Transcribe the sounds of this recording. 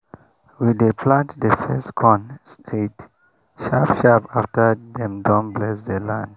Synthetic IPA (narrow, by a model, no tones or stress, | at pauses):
widepʰlãntdəfɛstkʰɔ̃nstʰit | ʃapʃapaftədɛ̃mdɔ̃nblɛsdəlãnd